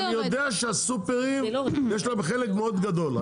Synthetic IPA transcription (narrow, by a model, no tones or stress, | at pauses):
nijod̪eaʃeasupeʁimjeʃlabeχelekmeod̪ɡad̪o̞l